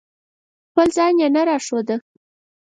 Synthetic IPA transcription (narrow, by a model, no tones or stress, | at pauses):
xpəlzɑnjenaɾɑʂod̪ə